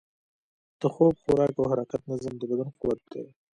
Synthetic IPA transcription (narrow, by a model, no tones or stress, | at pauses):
d̪̥əxob̚xoɾɑːkawɦaɾɑqat̪̚nazəmd̪əbad̪anqʊwat̪̚d̪̥ḛ